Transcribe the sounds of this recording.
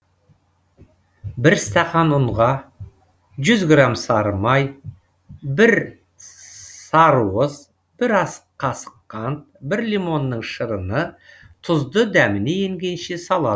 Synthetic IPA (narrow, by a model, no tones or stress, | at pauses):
bɪɾst̪ɑqɑnʊɴʁɑ | ʒʏzɡramsɑɾəmɑj | bɪɾ | sɑɾuəz | b̥ɪɾɑsəqqʰɑsə̥qʰːɑnt̪̚bɪɾlimo̞nːəɴʃəɾənət̪ʰʊzd̪əd̪æmɪne̞jeŋɡʲe̞jʃe̞sɑlˠɑd̪